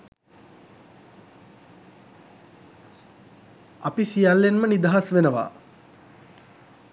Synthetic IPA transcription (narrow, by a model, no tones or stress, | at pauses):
apisijalːenmənid̪aɦasʋenəʋa̰